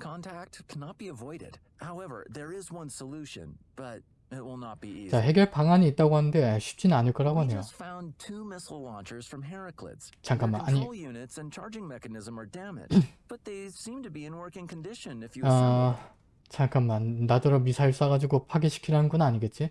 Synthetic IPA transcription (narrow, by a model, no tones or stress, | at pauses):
kʰɑ̃ntʰæk̚tkʰɛnət̚b̥iəvɔɪɾɪ̰d̥ | haʊɛvə̰˞ðə˞ɪzwʌ̃nsəluʃɨ̰̃n | b̥ʌɾ | ɪt̚wɪlˠnət̚b̥iit͡ɕaɦe̞ɡjʌɭpaŋaɲiːt̚t͈aɡoɦanɯnde̞ɕʰi̥p̚t͡ɕ͈innanɯɭk͈ʌɾaɡoanejostfãʊ̃ntʰumɪsl̩ˠlɑ̃nt͡ʃə˞z̥fɹʌ̃mɦɛɹɨkʰlɪ̰tst͡ɕaŋkamːanaɲɲilˠjʉnɪtsɨ̃nt͡ʃʰɑɹd͡ʒɪ̃ŋmɛkɨnɪzə̃mə˞dæmɨ̰db̥ʌt̪̚ðeɪsĩmtʰɨbiɨ̃nwɜ˞kɪ̃ŋkʰndɪʃɨ̃nɨfjɨa | t͡ɕaŋkamːanːadɯɾʌmisʰaiɭs͈aɡad͡ʑiɡopʰaɡeɕʰi̥kʰiɾannɡunaɲiɡe̞t̚t͡ɕ͈i